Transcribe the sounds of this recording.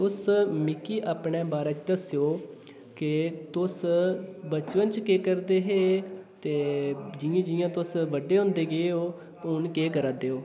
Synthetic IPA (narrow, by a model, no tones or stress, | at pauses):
ʊsmɪkiːʔaːpɳeːbaːɾət͡ʃd̪əsjoː | kɪt̪ʊs | bət͡ʃʋənt͡ʃkeːkəɾd̪eːɦeːt̪eːd͡ʒɪjãːd͡ʒɪjãːt̪ʊsʋəɖeːɦõːnd̪eːɡeeːoː | ʊnkeːkəɾaːd̪eːoː